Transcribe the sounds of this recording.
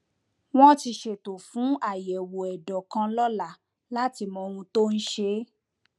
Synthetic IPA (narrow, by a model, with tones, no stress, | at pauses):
w̃ɔ̃˦ti˧ʃe˨to˨fũ˨˦a˦˨jɛ˨wo˨ɛ˨dɔ˨kã˧lɔ˦la˦˨ | la˦ti˧mɔ̃˧ɾ̃ũ˧to˦n̩˦ʃe˧˦